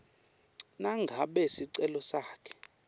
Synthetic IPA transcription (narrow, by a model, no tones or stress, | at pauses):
naŋɡʱaɓɛsiǀɛlɔsaːkʰɛ̥